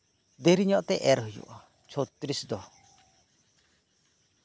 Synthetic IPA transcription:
d̪eɾiɲɔʔt̪ɛʔɛɾɦɯjṵʔɔ | t͡ʃʰɔt̪ɾisd̪ɔ

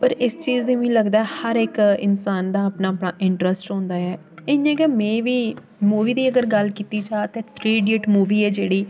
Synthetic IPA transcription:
pəɾɪst͡ʃiːzd̪ĩːʋĩːləɡd̪aːɛːhəɾɪkɪ̰nsaːnd̪aːpnaːəpnaːʔɪɳʈɾəsʈɦõːnd̪aːɛː | ẽjãːkɛːmɛ̃ːʋiː | muːʋiːd̪iːəɡəɾɡəlkiːt̪iːt͡ʃaːt̪ẽːt̪ʰɾeːɖeːʈmuːʋiːɛːd͡ʒeːɽiː

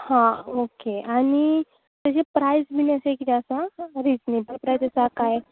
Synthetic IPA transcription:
hãokeaɽ̃i | t̪ad͡ʑepɾajzbinəsekit̪eəsaɾid͡znijbəɾpɾajd͡zəsakaj

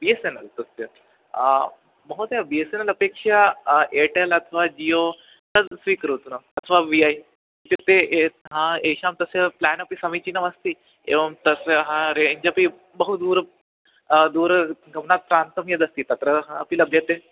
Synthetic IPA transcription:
biesenɐlt̪əst̪jə | mɐɦot̪jabiesenəlɐpekʂaʔeʈelɐt̪ʰəʋad͡ʑio | t̪əsʋiːkəɾut̪unəɐt̪ʰəʋaʋiaj | t̪it̪eeɦãeʃamt̪ɐseplænɐpisɐmit͡ɕinɐʋɐst̪i | ḛʋɐmt̪ɐsɦãɾeɲd͡ʒɐpi | bəɦud̪uːɾ | d̪uːɾɡɐmnat̪̚pɾaːnt̪əmjed̪ɐst̪iːt̪ɐt̪ɾəɦãɐpilɐbʱjɐt̪e

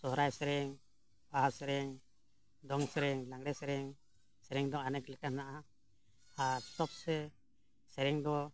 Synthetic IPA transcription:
sɔɦɾajsɛɾɛŋ | baɦasɛɾɛŋ | d̪ɔŋsɛɾɛŋlaŋɽɛsɛɾɛŋ | sɛɾɛŋd̪ɔanɛklɛkanaʔa | asɔp̚sɛ | sɛɾɛŋd̪ɔ

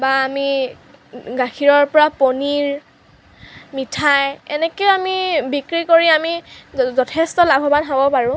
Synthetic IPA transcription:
baːmi | ɡaxʰiɹɔɹpɔɹaponiɹ | mitʰajɛnɛkeoamibikɹikoɹiamizɔtʰɛstɔlabʱɔbanɦabɔpaɹʊ̃

